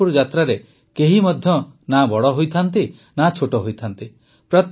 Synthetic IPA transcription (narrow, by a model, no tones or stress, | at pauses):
uɾd͡ʒat̪ɾaɾe | keɦimɔd̪ʱjɔnabɔɽɔɦojt̪ʰant̪i | nat͡ʃʰoʈɔɦojt̪ʰant̪i | pɾɔt̪